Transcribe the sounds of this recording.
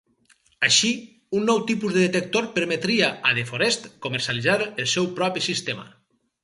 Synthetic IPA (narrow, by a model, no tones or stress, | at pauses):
aʃi | unːɔwt̪ipuzðeðet̪ek̚t̪oɾpəɾmet̪ɾiaaðefoɾɛst̪koməɾsjalizaɾelˠsɛwpɾɔpisist̪ema̰